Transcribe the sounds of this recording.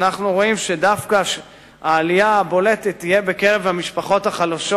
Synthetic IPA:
naχnuʁo̞imʃedafkaʃ | aːlijaːbo̞le̞t̪et̪ːije̞be̞keʁevhamiʃpaχo̞thaχalaʃo

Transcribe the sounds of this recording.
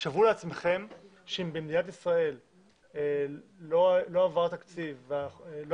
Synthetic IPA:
ʃavuleat͡sme̞χe̞m | ʃeimbemd̪inat̪isʁae̞l | elo̞lo̞avaʁt̪akt͡sivaelo

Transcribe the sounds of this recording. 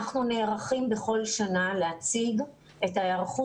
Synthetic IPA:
aχnune̞ʁaχimbe̞χo̞lʃanalehat͡siɡ | e̞tajaʁχu

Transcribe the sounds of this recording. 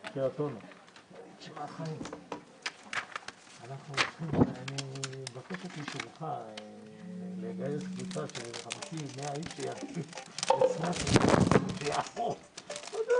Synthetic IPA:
ʃeat̪ono | ʃmaχaim | anaχnuot͡sχimanibakeʃat̪iʃumχa | leɡajeskvut͡saʃeʁamakimeaiʃejakiesnaʃeaʃejafo

